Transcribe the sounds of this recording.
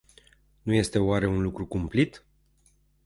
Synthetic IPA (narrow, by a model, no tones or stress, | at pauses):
nuje̞st̪e̞oaɾe̞unlukɾukumplit̪